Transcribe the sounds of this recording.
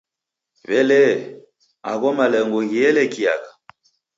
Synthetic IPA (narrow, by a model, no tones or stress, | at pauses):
βɛlɛ | a̰ɣɔmalɛŋɡɔɣiɛlɛkia̰ɣa